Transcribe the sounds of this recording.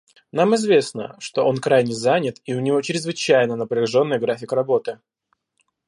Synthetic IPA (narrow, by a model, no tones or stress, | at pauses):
namɪzvʲe̞snə̰ʂt̪o̞ʔo̞nkɾajnʲɪzanʲɪt̪iʊnʲɪvo̞t͡ɕɪɾʲɪzvɨt͡ɕæjnənəpɾʲɪɪʐo̞nːɨjɡɾafʲɪkrɐbo̞t̪ɨ